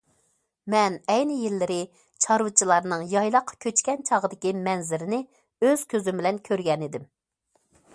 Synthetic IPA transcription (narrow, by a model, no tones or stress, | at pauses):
mɛnɛjnɪjilːɪɾɪ | t͡ʃʰɑɾwɨt͡ʃʰilˠɑɾnɨŋjɑjlˠɑqʰːɑ̥kʲʰøt͡ʃkʲɛnt͡ʃʰɑʁəd̪ɪkʲimɛnzɪɾɪnɪ | øz̥kʲʰøzymbɪlɛnkʲʰøɾɡʲɛnɪd̪ɪm